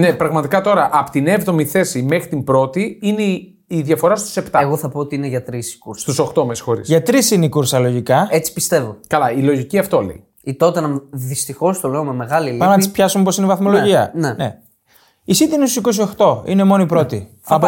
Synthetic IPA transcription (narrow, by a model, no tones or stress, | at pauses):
nepɾɐɣmɐt̪ikɐt̪o̞ɾɐʔɐpot̪ine̞vðo̞miθe̞sime̞xɾit̪imbɾo̞t̪iine | iðjɐfo̞ɾɐst̪u̥se̞pt̪ɐɣoθɐpoot̪iineʝɐt̪ɾisi̥kuɾsst̪uso̞xt̪o̞mesi̥xo̞ɾḭsʝɐt̪ɾisineikuɾsɐlo̞ʝikɐet͡si̥pist̪e̞vokɐlɐilo̞ʝiciɐft̪o̞lḛj | it̪ot̪enɐmðist̪ixo̞st̪ole̞omeme̞ɣɐlilipnɐt̪ispçɐsumep̬o̞sinevɐθmo̞loʝiɐnene̞̰ | isit̪einest̪u̥siko̞s̬iso̞xt̪o̞ḭnemo̞noipɾo̞t̪i | ɐp